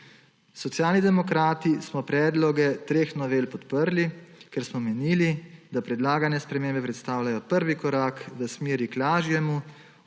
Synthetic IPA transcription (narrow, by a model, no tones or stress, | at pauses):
sɔt̪sjaːlnid̪ɛmɔkɾaːt̪ismɔpɾɛːd̪lɔɡɛt̪ɾeːxnɔʋeːlpɔt̪pəɾlikɛɾsmɔmɛniːlid̪apɾɛd̪laːɡanjɛspɾɛmeːmbɛpɾɛt̪st̪aːwlajɔpəɾʋikɔɾaːkʋəsmeːɾiklaːʒjɛmu